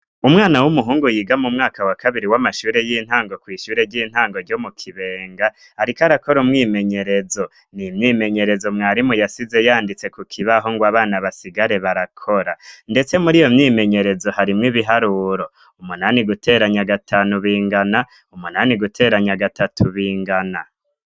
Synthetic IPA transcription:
umŋaːnawumuɦuːŋɡujiːɡamumŋaːkawakʰaβiɾiwamaʃuːɾe̞jiːn̥haːŋɡo̞kwiːʃuːɾe̞ɾɟiːn̥haːŋɡo̞ɾɟo̞mukʰiβe̞ːŋɡaː | ɾikaɾako̞ɾumŋiːme̞ɲe̞ɾe̞zo̞ | nimɲiːme̞ɲe̞ɾe̞zo̞mŋaːɾimujasize̞jaːndit͡se̞kukʰiβaɦo̞ŋɡwaːβaːnaβasiɡaɾe̞βaɾakʰo̞ɾande̞t͡se̞muɾijo̞mɲiːme̞ɲe̞ɾe̞zo̞haɾimŋiβiɦaɾuːɾo̞ | umunaːniɡutʰe̞ːɾaɲaɡatʰaːnuβiːŋɡana | umunaːniɡutʰe̞ːɾaɲaɡatʰatʰuβiːŋɡana

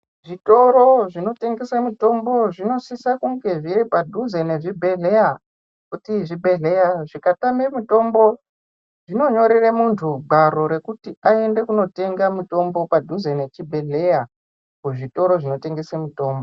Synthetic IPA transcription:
ʐito̞ɾo̞ʐino̞te̞ŋɡe̞samuto̞mbo̞ʐino̞sisakuŋɡe̞ʐiripadʱuzeneʐibʱe̞ɮe̞ja | kutiʐibʱe̞ɮejaʐikatamemuto̞mbo̞ | ʐino̞ɲo̞ɾeremuntʰuɡʱaɾo̞ɾe̞kutiae̞nde̞kuno̞te̞ŋɡamuto̞mbo̞padʱuzenet͡ʃibʱe̞ɮeja | kuʐito̞ɾo̞ʐino̞te̞ŋɡe̞semuto̞ːmbo

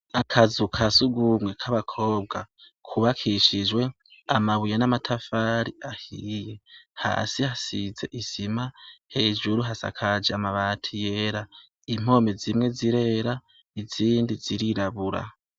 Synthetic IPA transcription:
akʰazukʰasuɡumŋe̞kʰaβakʰo̞ːbɡa | kʰuβakʰiʃid͡ʒwe̞ | amaβujanamatʰafaːɾiahiːje̞ha̰ːsihasize̞̰ʔisimahe̞ːʒuɾuɦasa̰kʰad͡ʒeamaβatʰije̞ːɾa | im̥o̞ːmezimŋe̞ziɾe̞ːɾa | iziːndiziɾiɾaβuɾa̰

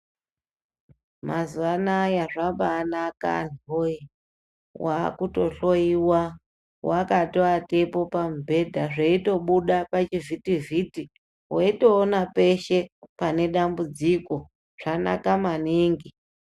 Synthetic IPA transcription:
mazuanaːjaʐabaːnaka̰noi | wakuto̞ɬo̞iwa | wakatoatepo̞pam̩bʱe̞dʱaʐeito̞ɓuɗapat͡ʃivitiviti | waito̞ːnape̞ʃe̞pane̞ɗambud͡ziko̞ | ʐ̥ana̰kamaniːŋɡi

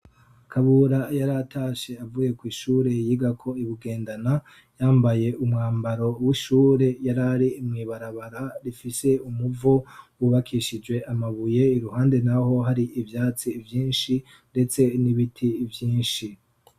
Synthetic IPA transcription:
kʰaβuɾajaɾatʰaːʃe̞avuje̞kwiːʃuːɾe̞jiɡakʰo̞iβiɡe̞ːndana | jaːmbaje̞ʔumŋaːmbaɾo̞wiʃuːɾe̞jaɾaɾiːmŋiːβaɾaβaɾaɾifise̞umuvowuβakʰiʃid͡ʒwe̞ʔamaβuje̞iɾuhaːnde̞naho̞ɦaɾiʔivjaːt͡sivjiːnʃi | nde̞t͡se̞niβitʰivjĩːnʃi

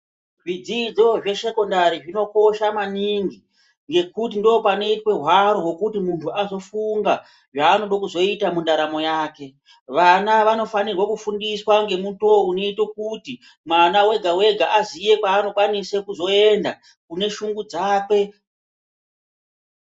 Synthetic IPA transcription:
ʐid͡zid͡zo̞ʐe̞ʃe̞ko̞ndaɾiʐino̞ko̞ʃamaniŋɡi | ŋɡe̞kutindoːpane̞twe̞ɦwaɾowo̞kutimuntʰuazo̞fuŋɡa | ʐaːno̞ɗokuzo̞itamundaɾamo̞jaːke̞ | ʋanaʋano̞fanirwakufundiswaŋɡe̞mutoune̞itokuti | mwanawe̞ɡʱawe̞ɡʱaʔazije̞kwaːno̞kwanisekuzo̞e̞nda | kune̞ʃuŋɡud͡zaːke̞

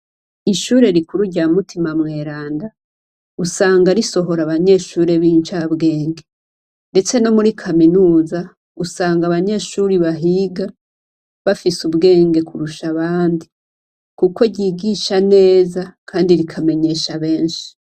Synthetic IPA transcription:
iʃuːɾe̞ɾikuɾuɟamutʰimamŋe̞ːɾaːnda | usaːŋɡaɾiso̞ɦo̞ɾaβaɲe̞ːʃuɾe̞βiːnt͡ʃabɡe̞ːŋɡe̞ | nde̞t͡se̞no̞muɾikʰaminuːza | usaːŋɡaβaɲe̞ʃuɾiβaɦiɡa | βafisubɡe̞ːŋɡe̞kuɾuʃaβaːndi | kuko̞ɟiːɡiʃane̞ːzakʰaːndiɾikʰame̞ɲe̞ːʃaβe̞ːnʃi̥

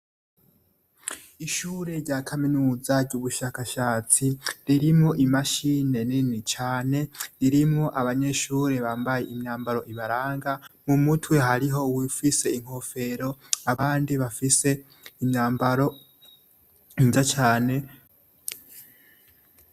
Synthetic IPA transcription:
iʃuːɾe̞ɾɟaːkʰaminuːzaɾɟuβuʃakaʃaːt͡siɾiɾimŋo̞ʔimaʃine̞ninit͡ʃaːne̞ɾiɾimŋo̞ʔaβaɲe̞ʃuːɾe̞βaːmbaje̞imɲaːmbaɾo̞ʔiβaɾaːŋɡamumutʰwe̞ɦaɾiɦo̞wifise̞iŋ̥ho̞fe̞ɾo̞aaːndiβafise̞ | imɲaːmbaɾo̞ | inzat͡ʃaːne

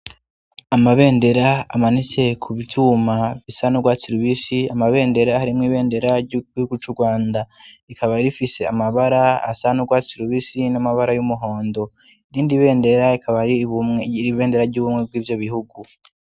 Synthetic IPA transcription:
amaβe̞ːnde̞ɾaa̰manit͡se̞kʰuβitʰumaβisanuɡwaːt͡siɾuβisiamaβe̞ːnde̞ɾahaɾimŋiːβe̞ːnde̞ɾaɟuɡihuɡut͡ʃuɾɡwaːndaikʰaβaɾifise̞a̰maβaɾaa̰sanuɡwaːt͡siɾuβisinamaβaɾajumuɦo̞ːndo̞ | iɾiːndiβe̞ːnde̞ɾaikʰaβaɾiβumŋeɾiβe̞ːnde̞ɾaɾɟuːβumŋe̞b̚ɡwiːvjo̞βihuɡu

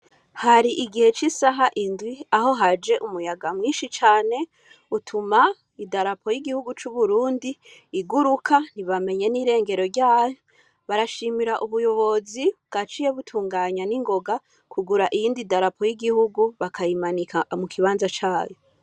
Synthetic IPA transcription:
haɾiʔiɡihe̞t͡ʃisaɦaʔindwiaɦo̞ɦad͡ʒe̞ʔumujaɡamŋiːnʃit͡ʃaːne̞ | utʰuma | idaɾapʰo̞jiɡihuɡut͡ʃuβuɾuːndiːɡuɾukʰaniβame̞ɲe̞niɾe̞ːŋɡe̞ɾo̞ɾɟaːjo | βaɾaʃimiɾaʔuβujo̞βo̞ziβɡ̥at͡ʃije̞βutʰuːŋɡaːɲaniŋɡo̞ɡa | kʰuɡuɾaʔijiːndidaɾapʰo̞jiɡihuɡuβakʰajimanikamukʰiβaːnzat͡ʃaːjo

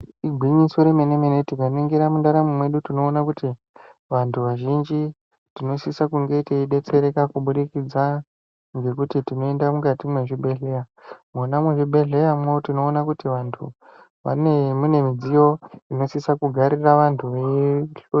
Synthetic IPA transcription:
iɡʱwiɲiso̞ɾemenemenetikanoiŋɡiɾamundaɾamumwe̞ɗutino̞ːnakuti | ʋantʰuʋaʒind͡ʒi | tino̞sisakuŋɡe̞iteiɗe̞t͡se̞ɾe̞kakuɓuɾikid͡za | ŋɡe̞kutitino̞endamukatimwe̞ʐibʱe̞ɮe̞jamunamweʐibʱe̞ɮe̞jamwotino̞ːnakutiʋantʰṵ | ʋa̰nemune̞mid͡zijo̞ino̞sisakuɡʱaɾiraʋantʰuʋeɬo

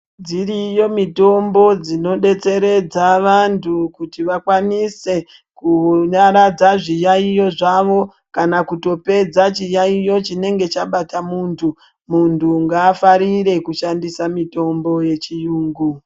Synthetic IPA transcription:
d͡zirijo̞mito̞mbo̞d͡zino̞ɗe̞t͡se̞ɾe̞d͡zaʋantʰukutiʋakwanise̞ | kuɲaɾad͡zaʐijaijo̞ʐaʋo̞ | kanakuto̞pe̞d͡zat͡ʃijaijo̞t͡ʃine̞ŋɡe̞t͡ʃaɓatamuːntʰu | muntʰuŋɡaːfaɾiɾe̞kuʃandisamito̞mbo̞je̞t͡ʃijuːŋɡu

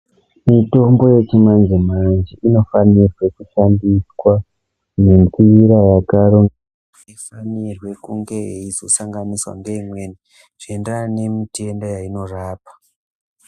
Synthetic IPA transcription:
mito̞mbo̞je̞t͡ʃimand͡ʒemand͡ʒiʔino̞fanirwe̞kuʃandiswa | nempiɾajakaɾoŋɡ | ifanirwe̞kuŋɡe̞jḛizosaŋɡaniswa̰ŋɡe̞imwe̞ni | ʐ̥endanemitʰe̞ndojaino̞raːpḁ

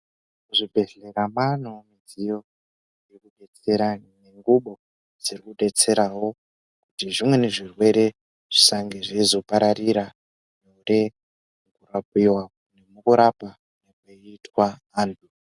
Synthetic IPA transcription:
kuʐibʱe̞ɮeɾaman̤omid͡zijo̞ | jekuɗe̞t͡se̞ɾane̞ŋɡuɓo̞ | d͡zirikuɗe̞t͡se̞ɾawo̞ | kutiʐimwe̞ne̞ʐirwe̞ɾe̞ | ʐ̥isaŋɡeʐiizo̞paɾariɾa | neure | mukurap̚iwaunemukuɾapa | nekeitwaː | ntʰu

